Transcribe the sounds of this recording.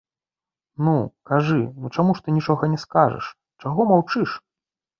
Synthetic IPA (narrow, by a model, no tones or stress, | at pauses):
nukaʐɨnut͡ʂamuʂt̪ɨnʲit͡ʂɔɣɐnʲɛskaʐɛ̰ʂ | t͡ʂaɣɔmawt͡ʂɨʂ